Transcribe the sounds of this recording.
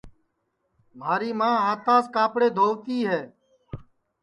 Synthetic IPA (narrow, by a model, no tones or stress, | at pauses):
maːɾiːmãːɦaːt̪ãːskaːpɽeːd̪ʱoːʋt̪iːɦɛː